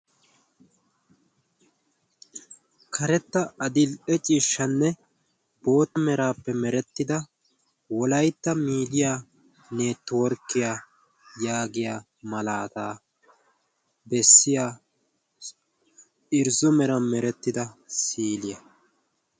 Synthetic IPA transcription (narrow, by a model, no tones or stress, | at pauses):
kʰɐɾɛt̪ːɐɐd̪ɪlɛt͡ʃʼiːʃːɐnːɛ | bo̞ːt̪ɐmɛɾaːpːɛmɛɾɛt̪ːɪd̪ɐ | wɔlɐjt̪ːɐmiːd̪ɪjaː | neːt̪ːwɔɾkːɪjaː | jaːɡɪjaː | mɐlaːt̪aː | bɛsːɪjaː | ʔɪɾzʊmɛɾɐmɛɾɛt̪ːɪd̪ɐsiːlɪjɐ